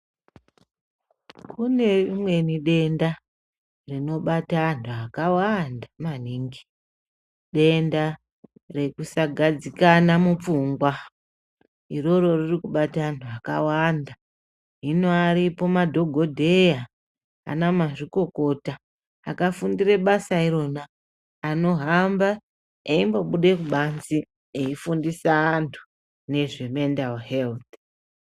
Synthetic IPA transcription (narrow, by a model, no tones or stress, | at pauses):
kʰune̞imwe̞niɗe̞nda | rino̞ɓatanuakawandamaniːŋɡi̥ | ɗe̞nda | re̞kusaɡʱad͡zikanamup͡fuŋɡwa | iro̞ɾo̞ririkuɓatanuakawanda | ɦinoaɾipo̞madʱo̞ɡʱo̞dʱe̞ja | a̰namaʐiko̞ko̞taː | kafundire̞ɓasaiɾo̞naː | no̞ɦamba | eimbo̞ɓuɗe̞kuɓanzi | eifundisaːntʰu̥ | ne̞ʐe̞me̞ndalɦelt̪̚